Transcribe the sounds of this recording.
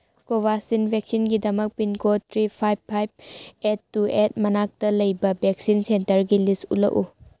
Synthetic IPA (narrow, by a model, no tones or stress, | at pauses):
kobasinbʱek̚sinɡidɐmɐk̚pinkotʰɾipʰajbʰajb̚etːuet̚mɐnak̚tɐlɐjbɐbʱek̚sinsentɐɾɡilistṵlɐ̰ʔu